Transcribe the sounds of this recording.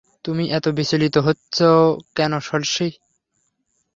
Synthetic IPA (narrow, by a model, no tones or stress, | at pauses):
t̪umiʔɛt̪obisolit̪oɦotːɕʰokɛnoʃolʃi